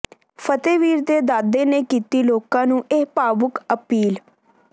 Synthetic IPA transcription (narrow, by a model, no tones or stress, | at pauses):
pʰət̪eːʋiːɾd̪eːd̪aːd̪eːneːkiːt̪iːloːkãːnũːʔeːpaːbʊkəpiːl